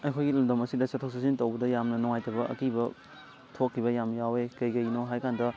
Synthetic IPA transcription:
ɐjkʰojɡilumdɐmɐsidɐsɐtʰok̚sas̬intɐwbɐdɐjamnɐnuŋajtɐbɐʔɐ̰kibɐ | tʰokʰːibɐjamjawekɐjkɐjnoɦajkandɐ

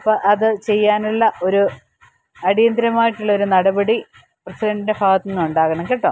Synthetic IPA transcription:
ɐpːɐʔɐðɨt͡ɕe̞jːaːnɐlːɐʔo̞ɾu | ɐɽijɐnd̪ɾɐmaːjiʈːuɭːɐo̞ɾunɐɽɐbɐɽi | prɐsidɐɳɖindebʱaːɡɐt̪ːinːuuɳɖaːɣɐɳɐmkeʈːɐ

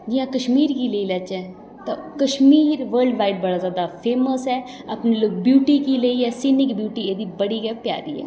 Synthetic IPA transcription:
d͡ʒɪãːkəʃmiːɾkiːləiːlət͡ʃɛː | t̪akəʃmiːɾʋəːɾlɖʋaːɪʈ̚bəɽaːzjaːd̪aːpʰeːməsɛː | apneloːk̚bjuːʈiːkiːləiɛːsɪnɪkbjuːʈiːeːd̪iːbəɽiːɡɛːpja̰ːɾḭːɦɛ̰ː

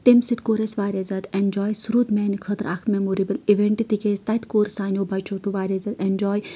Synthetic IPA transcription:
t̪emsit̪koːɾesʋaːɾɐzʲɐd̪end͡ʒɔːjsuɾuːd̪mɛːnikʰɐt̪ɾakʰmemoːɾibəliʋeɳʈit̪ikeːst̪ɐt̪koːɾsaːnʲoːbɐjt͡ʃʰot̪uʋaːɾɐzɐd̪end͡ʒɔːj

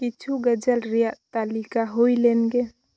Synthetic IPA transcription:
kit͡ʃʰuɡəd͡ʒəlɾijaʔt̪alikaɦoilenɡe

